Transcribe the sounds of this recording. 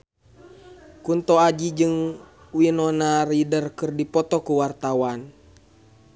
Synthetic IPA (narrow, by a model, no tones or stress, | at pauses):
kunt̪ɔad͡ʒid͡ʒɨŋ | winɔnaridərkɨrdipɔt̪ɔkuwart̪awan